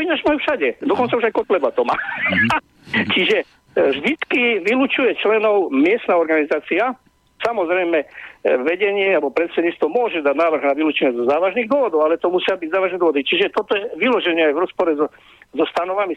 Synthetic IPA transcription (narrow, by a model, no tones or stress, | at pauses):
inaʒmajufʃaɟɛd̪ɔkɔnt͡sauʒajkɔt̪lɛbat̪ɔmaː | t͡ʃiʒɛ | ʒd̪it̪kiʋiluːt͡ʃujɛt͡ʃlɛnɔʊmɪɛst̪naɔɾɡanizaːt͡sia | samɔzɾɛjmɛʋɛɟɛɲɪɛabɔpɾɛt̪sɛd̪ɲiːt͡sst̪ʋɔmʊɔʒɛd̪ad̪naːʋr̩ɣnaʋiluːt͡ʃɛɲɛzɔzaːʋaʒniɣd̪wɔʋɔd̪ɔʊalɛt̪ɔmusɪabiɟzaːʋaʒnɛd̪wɔʋɔd̪it͡ʃiʒɛt̪ɔt̪ɔjɛʋilɔʒɛɲɛajʋɾɔspɔɾɛzɔ | zɔst̪anɔʋami